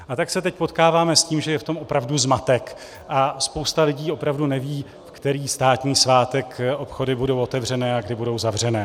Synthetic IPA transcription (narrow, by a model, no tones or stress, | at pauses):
ʔat̪aksɛt̪ɛc̚po̞t̪kaːvaːmɛsciːmʒɛjɛft̪o̞mʔo̞pɾavduzmat̪ɛk | ʔaspo̞wst̪alɪɟiːo̞pɾavdunɛviː | fkt̪ɛɾiːst̪aːt̪ɲiːsvaːt̪ɛkʔo̞pxo̞dɪbudo̞wʔo̞t̪ɛvr̝ɛnɛːaɡdɪbudo̞wzavr̝ɛnɛː